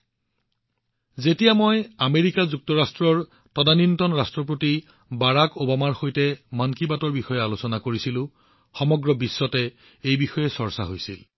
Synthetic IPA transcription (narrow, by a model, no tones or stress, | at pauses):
zetijamojameɹikazuk̚tɔɹastɹɔɹ | tɔdanintɔnɹastɹɔpɹoti | baɹakobamaɹxojtɛmankibatɔɹbixɔjɛalosɔnakoɹisilʊ̃ | xɔmɔɡɹɔbisːɔtɛ | ejbixɔjɛsɔɹsa̰ɦojsḭl